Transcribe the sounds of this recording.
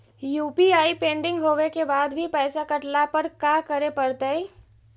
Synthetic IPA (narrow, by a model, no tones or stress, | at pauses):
juːpiaːipẽːɳɖɪ̃ŋɡɦoːʋekebaːd̪bʱipɛːsakɐʈlapɐɾkaːkɐɾepɐɾt̪ae